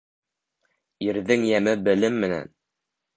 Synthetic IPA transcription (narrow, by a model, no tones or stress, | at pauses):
iɾðɘŋjæmɘbɘ̆lɘmːɘ̆næ̰n